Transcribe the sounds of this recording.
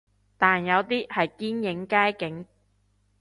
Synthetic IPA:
t̪aː˨njɐ˨˧wt̪iː˥hɐ˨jkiː˥njɪ˨˥ŋkaː˥jkɪ˨˥ŋ

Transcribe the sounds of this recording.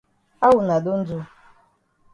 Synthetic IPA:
a˦wʊ˨na˨dʊ˦n̩˦d͡zu˦

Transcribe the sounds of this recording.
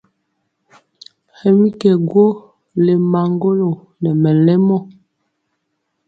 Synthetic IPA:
hɛ˨mi˦kɛ˨ɡwo˦ | le˨ma˨ŋɡo˦lo˨ | nɛ˨mɛ˨lɛ˦mɔ˦˨

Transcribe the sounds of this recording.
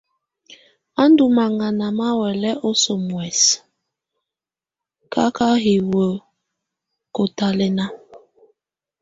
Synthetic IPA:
a˦ndu˨ma˨ŋa˨na˨ma˦wɛ˨lɛ˦ʔɔ˦so˨mwɛ˨s | kʰa˦ka˦ɦi˨wə˨ | ko˨ta˦lɛ˦na˦

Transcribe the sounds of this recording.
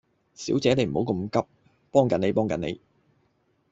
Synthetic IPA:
siː˨˥wt͡sɛː˨˥ne˨˧jm̩˨˩o˨˥wkə˧mkɐ˥p̚ | pɔː˥ŋkɐ˨˥ne˨˧jpɔː˥ŋkɐ˨ne˨˧j

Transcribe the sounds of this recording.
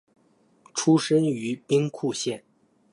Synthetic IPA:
ʈ͡ʂʰu˥ʂə˥ny˧˥pi˥ŋkʰu˥˧ɕjɛ˥˩n

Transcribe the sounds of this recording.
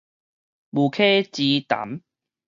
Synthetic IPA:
bu˨˩kʰe˥˦t͡ɕi˧t̪a̰˨˦m

